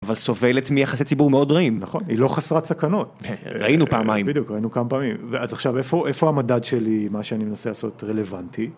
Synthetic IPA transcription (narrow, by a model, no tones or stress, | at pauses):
avalso̞ve̞letmijaχaset͡sibuʁmeo̞dʁaimnaχo̞nḭlo̞χasʁatsakano̞tʁa̰ʔinupaːmajimbid̪ijukʁainukamapaːmimveazaχʃave̞fo̞ʔe̞fohamadadʃe̞limaʃeanime̞naselaːso̞tʁele̞vanti